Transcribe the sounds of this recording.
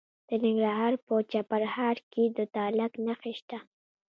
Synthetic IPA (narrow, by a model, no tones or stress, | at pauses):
d̪̥ənɪŋɡɾaɦɑːɾpət͡ʃapaɾhɑɾked̪ət̪ɑlaknaxiʃt̪a